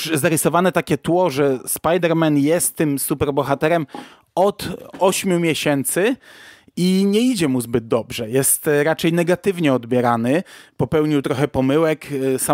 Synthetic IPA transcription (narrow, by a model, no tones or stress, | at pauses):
zaɾɘsɔvanɛt̪akʲɛt̪wɔʐɛspajd̪ɛɾmanjɛst̪ːɘmsupɛɾbɔxat̪ɛɾɛm | ɔt̪ɔɕmʲjumʲjɛɕɛnt̪sɘ | iɲɛid͡ʑɛmuzbɘd̪̚d̪ɔbʐɛjɛst̪ɾat͡ʂɛjnɛɡat̪ɘvɲɛɔd̪bʲjɛɾanɘpɔpɛwɲiwt̪ɾɔxɛpɔmɘwɛksa